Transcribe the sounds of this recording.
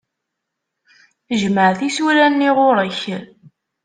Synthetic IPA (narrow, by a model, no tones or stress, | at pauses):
əʒməʕθisuɾænːiʁʊɾˤəç